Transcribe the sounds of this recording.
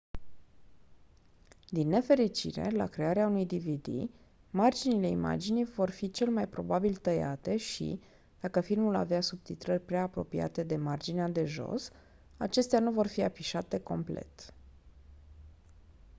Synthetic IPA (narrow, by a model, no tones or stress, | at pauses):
d̪inːe̞fe̞ɾit͡ʃḭɾe̞̰la̰kɾe̞aɾeaunujd̪ivid̪ḭ | mard͡ʒinile̞ima̰d͡ʒinijvo̞rfit͡ʃe̞lmajpɾo̞̰babilt̪əja̰t̪e̞ʃḭ | d̪̥akəfilmula̰veasub̚t̪it̪ɾərʲpɾeaːpɾo̞̰pia̰t̪e̞d̪e̞mard͡ʒinead̪e̞ʒo̞̰s | a̰t͡ʃe̞st̪eanuvo̞rfiafiʃat̪e̞ko̞mple̞̰t̪